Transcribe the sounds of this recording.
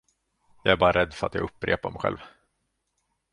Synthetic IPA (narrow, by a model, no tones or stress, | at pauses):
jɑːæɾbɑːɾaɾɛd̪ːfœɾat̪jɑ̰ɡɵpːɾḛːpaɾmɛjɧɛ̰lv